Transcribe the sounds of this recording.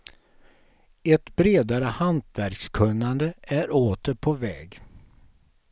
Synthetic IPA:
ɛt̪bɾeːd̪aɾəhant̪ʰvæɾkskʰɵnːand̪əʔæɾoːt̪əɾpʰɔvɛːɡ

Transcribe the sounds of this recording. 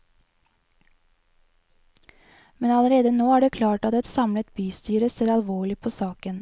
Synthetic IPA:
mɛnɑləɾeːd̪ənoːæːɖeːkʰlɑːʈɑt̪̚d̪ɛt̪sɑmlət̪byːst̪yːɾəseːɾɑlʋoːɭɪpʰoːsɑːkən

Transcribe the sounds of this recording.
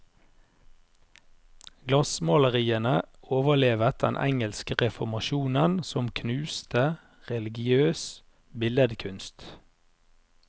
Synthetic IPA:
ɡ̥lɑsmɑləʁiːənəoːʋəleːʋət̪̚d̪̥ɛ̰nʔɛ̰ŋəlskəʁɛfɔmɑʃuːnənsɔmkʰnʉːst̪ə | ʁɛlɪɡɪøːs | bɪləd̪kʰʉnst̪

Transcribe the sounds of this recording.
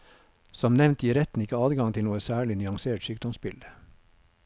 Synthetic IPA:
sɔmnɛʋnt̪jiːɾɛt̪n̩ɪkəɑːd̪ɡɑŋt̪ʰɪlnuːəsæːɭɪnyɑŋseːʈsyːk̚d̪ɔmspɪlə

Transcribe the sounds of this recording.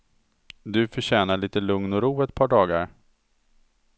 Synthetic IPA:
d̪ɵfœɕɛːnaɭiːt̪əlɵŋnɔɾuːɛt̪̚pʰɑːɖɑːɡa̰ɾ

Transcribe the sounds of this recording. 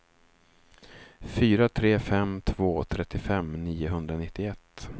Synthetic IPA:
fyːɾat̪ʰɾeːfɛmt̪ʰvoːt̪ʰɾɛt̪ːɪfɛmniːʊɦɵnd̪ɾanɪt̪ːɪɛt̪ː

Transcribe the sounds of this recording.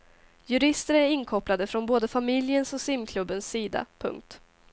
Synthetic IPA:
jɵɾɪst̪əɾæɾɪnkʰɔplad̪əfɾɔnboːd̪əfamɪljənsɔsɪmkʰlɵbːənsːiːd̪a̰pʰɵ̰ŋk̚t̪

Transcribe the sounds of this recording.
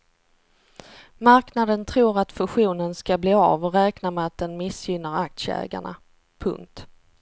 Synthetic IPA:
maɾknad̪ənt̪ʰɾuːɾat̪fɵɧuːnənskabliːɑ̰vɔɾɛːknamɛat̪̚d̪ɛnmɪsjʏnːəɾak̚t̪səɛ̰ːɡa̰ɳa̰ | pʰɵ̰ŋk̚t̪

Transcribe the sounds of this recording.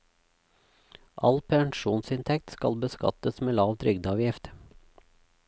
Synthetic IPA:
ʔɑ̰lpʰɛŋʃuːnsɪnt̪ʰɛk̚t̪skɑ̰lbəskɑ̰t̪əsmeːlɑːʋt̪ʰɾʏɡd̪əɑːʋjɪft̪

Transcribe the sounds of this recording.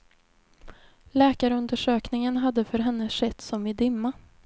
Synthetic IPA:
lɛːkaɾəɵnd̪əʂøːknɪŋənɦad̪ːəfœɾɦɛnːəʂɛt̪ːsɔmɪd̪ɪmːa

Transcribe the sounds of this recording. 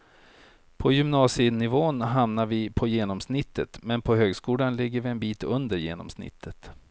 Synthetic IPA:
pʰɔjʏmnɑːsɪnɪvoːnɦamnaɾvɪpʰɔjeːnɔmsnɪt̪ːət̪mɛnpʰɔɦøːɡskuːlanlɪɡːəɾvɪɛnbiːt̪ɵnd̪əɾjeːnɔ̰msnɪ̰t̪ʰːət̪

